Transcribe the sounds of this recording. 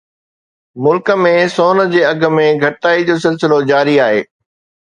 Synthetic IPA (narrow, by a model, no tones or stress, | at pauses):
mʊlkə̆mẽsoːnə̆d͡ʑeːɐɡʱə̆mẽɡʱɐʈɪt̪aːid͡ʑoːsɪlsɪlod͡ʑaːɾiaːɦḛː